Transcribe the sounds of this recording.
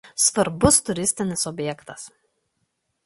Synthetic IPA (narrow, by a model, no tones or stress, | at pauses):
sʋɐɾbʊst̪ʊɾʲɪsʲt̪ʲɪnʲɪsɔbʲjɛkt̪ɐs